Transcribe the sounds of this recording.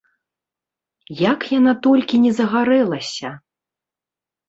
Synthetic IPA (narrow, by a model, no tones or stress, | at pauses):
jakjanat̪ɔlʲkʲinʲɛzɐɣaɾɛlˠɐsʲɐ